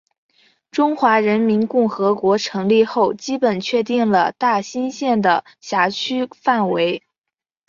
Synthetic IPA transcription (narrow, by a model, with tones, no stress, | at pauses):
ʈ͡ʂʊ˥ŋxwa˧˥ɻə˧˥nmi˧˥nkʊ˥˩ŋxɤ˧˥kwɔ˧˥ʈ͡ʂʰɤ˧˥ŋli˥˧xo˥˩ʊt͡ɕi˥pə˨˩nt͡ɕʰɥɛ˥˧t̪̬i˥˩ŋlə˩t̪a˥˩ɕi˥nɕjɛ˥˩nd̪ə˩ | ɕja˧˥t͡ɕʰy˥fa˥˩nwe˧˥ɪ